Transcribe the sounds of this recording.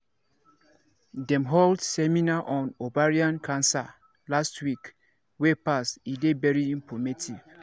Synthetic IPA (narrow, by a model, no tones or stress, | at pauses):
dɛ̃mɦoldsɛmĩnaʔɔ̃nobaɹiãnkʰãnsa | lastwik | wepastidevɛɹiĩmpɔmetʰiv